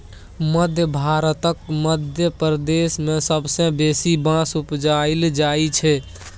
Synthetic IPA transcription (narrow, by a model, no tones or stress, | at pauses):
məd̪ʱjəbʱaɾət̪əkməd̪ʱjəpɾd̪esmẽsəbsə̃besibãsupd͡ʒaild͡ʒait͡ʃʰɛ